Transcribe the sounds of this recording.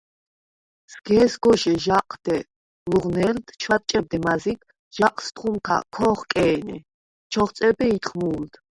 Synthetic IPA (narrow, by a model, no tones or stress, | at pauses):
sɡɛːsɡɔʃɛʒaqʰʼd̪̥ɛ | luʁnɛld̪t͡ʃʰwat̪̚t͡ʃʼɛb̚d̪ɛmazikʰ | ʒ̥aqʼst̪ʼχumkʰa̰kʰɔχkʼɛːnɛ̰ | t͡ʃʰɔχt̪sʼɛbɛit̪χmuːld̪̥